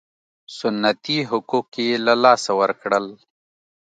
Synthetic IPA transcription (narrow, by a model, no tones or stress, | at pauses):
sʊnːət̪iɦʊkukːelalaːsawɐɾkɽəl